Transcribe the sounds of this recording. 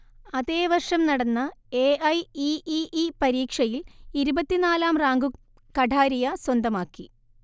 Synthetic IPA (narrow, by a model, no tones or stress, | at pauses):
ɐðe̞ːʋɐrʂɐmnɐɽɐnːɐeʔɐjiʔiʔipɐɾiːkʂɐjiliɾubɐt̪ːinaːlaːmraːŋɡu | kɐɖʱaːɾijɐswɐnd̪ɐmaːkːi